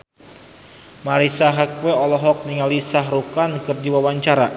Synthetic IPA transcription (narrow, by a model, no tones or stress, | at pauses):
maɾisaɦakweɔlɔɦɔk̚niŋalisaɦrukankɨrdiwawaɲt͡ʃaɾa